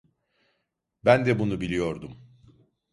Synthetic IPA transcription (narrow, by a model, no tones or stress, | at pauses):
bænd̪ɛbunubilʲijo̞ɾd̪um